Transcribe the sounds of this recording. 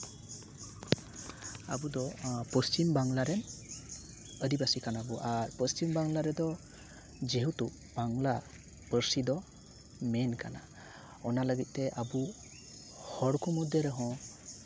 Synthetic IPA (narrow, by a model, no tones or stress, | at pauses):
abud̪ɔpɔst͡ʃimbaŋlaɾɛn | əd̪ibasikanabɔʔaɾpɔst͡ʃimbaŋlaɾɛd̪ɔ | d͡ʒeɦut̪u | b̥aŋla | pəɾsid̪ɔ | mɛnkana̰ | ɔnaləɡit̪̚tɛʔabu | hɔɽkumɔd̪jɔɾɛɦɔ̃